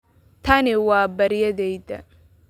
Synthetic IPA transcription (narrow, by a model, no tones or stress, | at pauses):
t̪ʰɐnɪwaːbɐɾjɐðɛjðɐ̰